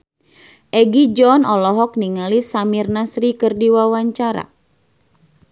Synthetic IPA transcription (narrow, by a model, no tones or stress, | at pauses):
ʔɛɡid͡ʒɔnɔlɔɦɔk̚niŋalisamirnasɾikɨrdiwawaɲt͡ʃaɾa̰